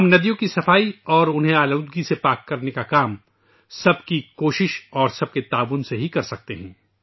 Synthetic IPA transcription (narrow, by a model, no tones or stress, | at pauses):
hɐmnɐd̪ijõkisɐfaːiɔːɾʊnɦẽaːluːd̪ɡisepaːkːɐɾnekakaːm | sɐb̚kikoːʃɪʃɔːɾsɐb̚ket̪aːʋʊnseɦikɐɾsɐk̚t̪eɦɛ̃ː